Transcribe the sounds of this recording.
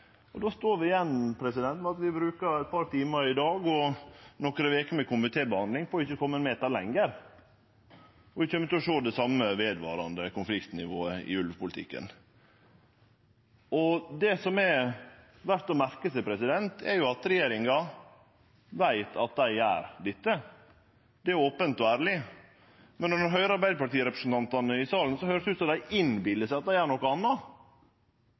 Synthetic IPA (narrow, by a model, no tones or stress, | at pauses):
ɔd̪oːst̪oːɾʋɪɪjɛnːpʰɾɛsɪd̪ɛnt̪mɛɑt̪ʋɪbɾʉːkəæɪt̪̚pʰɑɾt̪iːməɾɪd̪ɑːɡɔnɔkɾəʋeːkəmɛkʰʊmɪt̪ʰeːbəhɑnd̪lɪŋfoːɾʊɪçːəkʰɔmːəɛnmeːt̪ɑɾlɛŋːəɾ | ɔʋɪçəmːəɪt̪ɪɔʂoːd̪ɛsɑmːəʋeːd̪ʋɑ̰ːɾɑnd̪əkʊnflɪkt̪nɪʋoːəɪ̰ʉlʋpʊlɪt̪ʰɪ̰kːə̰n | ɔd̪ɛsɔmɛ | ʋæɾt̪ɔmæɾkəsæɪpʰɾɛsɪd̪ɛnt̪ʰɛɾjʊɑt̪ɾɛjeːɾɪŋɑ | ʋæɪt̪ʰɑt̪̚d̪æɪæ̰ːɾd̪ɪt̪ːə | d̪ɛæɾoːpənt̪ɔæːɾlɪ | mɛnːɔnɔɾɦœʏəɾɑɾbæɪd̪əpɑʈiːəɾɛpɾəsn̩t̪ɑnt̪ɑnəɪsɑːln̩sɔhøːɾəsʉːt̪sɔmd̪æɪʔɪnbɪlːəsæɪɑt̪̚d̪æɪæːɳɔkːəɑnːɑ